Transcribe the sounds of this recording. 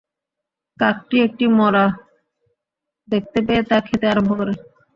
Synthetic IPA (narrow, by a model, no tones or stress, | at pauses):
kak̚ʈiek̚ʈimɔɾa | d̪ek̚t̪ep̬eet̪akʰet̪eaɾombʱokoɾe